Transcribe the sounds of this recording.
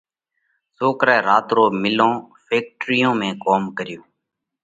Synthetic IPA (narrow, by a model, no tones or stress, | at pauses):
soːkɾɛːɾaːt̪ɾoːmɪlõː | fʰeːk̚ʈɾɪjõːmẽːkoːmkəɾɪjoː